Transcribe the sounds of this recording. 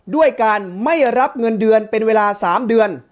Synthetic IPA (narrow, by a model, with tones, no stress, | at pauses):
du˥˩əjkaː˧nma˥˩jɾa˦˥p̚ŋɤ˧ndɯ˧ənpe˧nweː˧laː˧saː˩˦mdɯ˧ən